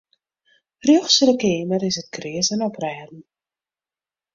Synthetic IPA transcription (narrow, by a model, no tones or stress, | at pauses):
rjɔχsələkɪːməɾɪsət̚krɪəzənɔprɛːdn̩